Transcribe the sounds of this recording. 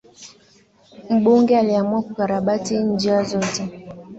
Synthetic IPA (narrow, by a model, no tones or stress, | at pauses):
m̩ɓoŋɡɛaliamwakukaɾaɓatin̩d͡ʒiazɔtɛ